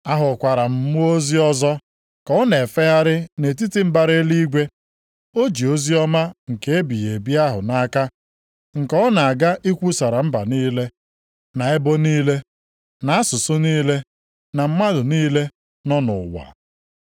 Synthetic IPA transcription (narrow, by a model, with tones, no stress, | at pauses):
a˦ɦʊ˨kʷa˨ɾa˨m̩˦mʊ˦o˦zi˦ɔ˦zɔ˦ | kɔ˨ɔ˦ne˨fe˦ɦa˦ɾɪ˦ne˨t̬i˦ti˦m̩˦ba˨ɾe˦li˦ɡʷe˦ | o˦d͡ʒi˨o˦zi˦ɔ˦ma˦ŋ̩˨ke˨e˦bi˨je˨bi˦a˦ɦʊ˨na˦ka˦ | ŋ̩˨kɔ˦na˨a˨ɡa˦ʔi˦kʷu˦sa˨ɾa˨m̩˦ba˨niː˦le˦ | na˨e˦bo˦niː˦le˦ | na˨a˦sʊ˨sʊ˦niː˦le˦ | na˨m̩˦ma˦dʊ˨niː˦le˦ | nɔ˦nʊ̰˨wa̰˨